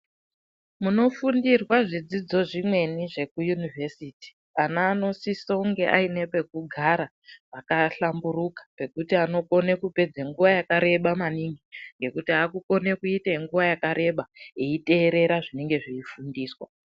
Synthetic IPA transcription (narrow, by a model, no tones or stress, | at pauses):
muno̞fundirwaʐid͡zid͡zo̞ʐimwe̞niʐe̞kujunivʱesiːti̥ | anaːno̞sisouŋɡe̞ʔa̰ine̞pek̚uɡʱaɾa | pakaɬamburukḁpe̞kutiano̞ko̞ne̞kupe̞d͡zeŋɡuʋajakaɾe̞ɓamaniŋɡiŋɡe̞kutiaːkuko̞nekuitaiŋɡuʋajakaɾe̞ɓaeite̞ːɾe̞ɾaʐine̞ŋɡe̞ʐiifundiːswa̰